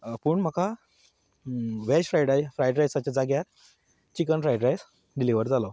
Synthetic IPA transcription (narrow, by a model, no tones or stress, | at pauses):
pəɳm̤əka | ʋɛɕfɾajɽajfɾajɖɾajsat͡ɕad͡zaɡjat̪ | t͡ɕikənfɾajɖɾajs | ɖiliʋəɾd͡zalo